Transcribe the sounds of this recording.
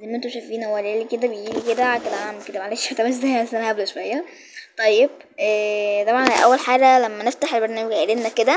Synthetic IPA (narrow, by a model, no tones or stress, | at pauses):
zæːmʔent̪oʃæfiːnhowæleliked̪æbejɡiːliked̪æked̪æamæket̪æmaʕaleːʃmæt̪æmæs̬zæjæmæsænæʔæblæʃowæjːæ | t̪ˤɑjːeb̥̚ | ʔæːt̪ˤɑbʕɑnʔæ̰wːælħaːɡælæmːæneft̪aħelbeɾnæːmæɡʔelelnæked̪æ